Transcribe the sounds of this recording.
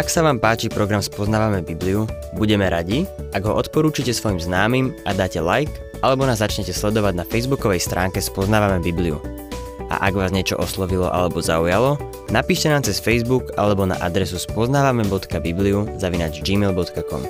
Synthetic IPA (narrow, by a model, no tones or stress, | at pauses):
aksaʋaːmpaːt͡ʃipɾɔɡɾamspɔznaːʋamɛbibliu | buɟɛmɛɾaɟiaɡɦɔʔɔt̪pɔɾuːt͡ʃicɛsʋɔjimznaːmiːmʔad̪aːcɛlajk | ʔalɛbɔnaːzːat͡ʃɲɛcɛslɛd̪ɔʋaɟnafɛjzbukɔʋɛjst̪ɾʔaːŋkɛspɔznaːʋamɛbibliṵ | ʔa̰ʔaɡʋaːzɲɪɛt͡ʃɔ̰ʔɔslɔʋilɔ̰ʔa̰lɛbɔzaujalɔ | napiːʃcɛnaːmt͡sɛsfɛjzbuka̰lɛbɔna̰ʔad̪ɾɛsuspɔznaːʋamɛbɔt̪kabibliuzaʋinaːd͡ʒd͡ʒiːmɛlbɔt̪kakɔ̰m